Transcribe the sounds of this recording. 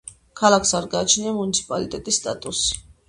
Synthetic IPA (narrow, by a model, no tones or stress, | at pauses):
kʰalˠaksaɾɡaːt͡ʃʰniamunit̪sʰi̥pʼalit̪ʼɛt̪ʼisːt̪ʼat̪ʼusi̥